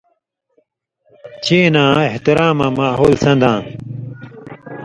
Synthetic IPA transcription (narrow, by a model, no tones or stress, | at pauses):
t͡ɕʰeːnãːeht̪ɪɾaːmãːmaːɦoːlsɐ̃nd̪ãː